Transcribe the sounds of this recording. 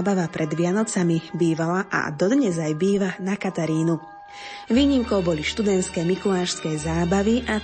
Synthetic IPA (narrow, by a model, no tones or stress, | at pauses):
baʋapɾɛd̪ʋɪanɔt͡samibiːʋalaʔa̰d̪ɔd̪ɲɛzajbiːʋanakat̪aɾiːnu | ʋiːɲimkɔʊbɔliʃt̪ud̪ɛnt̪skɛmikulaːʃskɛjzaːbaʋiʔa